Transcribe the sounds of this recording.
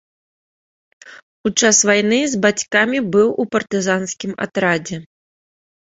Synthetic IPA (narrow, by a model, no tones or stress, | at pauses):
ut͡ʂasvajnɨzbat͡sʲkamʲibɨwupɐrt̪ɨzansʲkʲima̰t̪ɾad͡zʲɛ